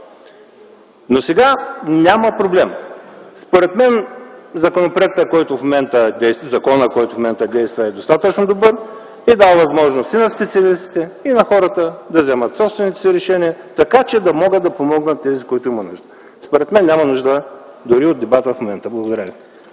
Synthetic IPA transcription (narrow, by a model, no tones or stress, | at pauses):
nosɛɡanʲaməpɾoblɛmspoɾɛt̪mɛnzɐkonopɾoɛk̚t̪əkɔjt̪ʊfmomɛnt̪əd̪ɛjst̪zɐkɔnəkɔjt̪ʊfmomɛnt̪əd̪ɛjst̪vɐɛd̪ost̪at̪ət͡ʃnod̪obɤɾ | id̪avvɐzmɔʒnost̪inɐspɛt̪siɐlist̪i̥t̪ɛinɐxɔɾət̪əd̪ɐzɛmət̪sɔpst̪vɛnit̪ɛ̥siɾɛʃɛniət̪ɐkat͡ʃɛd̪ɐmɔɡəd̪ɐpomɔɡnət̪ːɛzikoit̪ʊimɐnuʒd̪ə | spoɾɛt̪mɛnːʲamɐnuʒd̪ə | d̪ʊɾiod̪ɛbat̪əfmomɛnt̪əblˠɐɡod̪ɐɾəvi